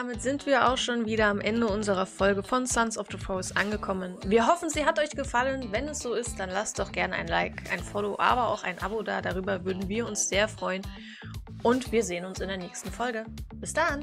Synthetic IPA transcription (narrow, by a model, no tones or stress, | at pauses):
d̥aːmɪtz̥ɪntv̥iːɐʔa̰ʊxʃoːnviːɾɐamʔɛndəʊnzəʁ̞ɐfɔlɡəfɔnsansɔfðəfɹoʊsʔanɡəkʰɔmənviːɐɦɔfn̩ziːɦatɔʏçɡ̥əfalənvɛnɛsz̥oːɪst̚d̥anlastd̥ɔχɡ̥ɛɐnəa̰ɪnlaɪkʰʔa̰ɪnfoːloʔa̰ːbɐa̰ʊxa̰ɪnʔa̰bodaːdaʁ̞yːbɐvʏɐdn̩viːɐʊnsz̥eːɐfʁ̥ɔʏən | ʔʊntv̥iːɐzeːənʊnsɪndeːɐnɛːçstn̩fɔlɡəb̥ɪsd̥ahɪn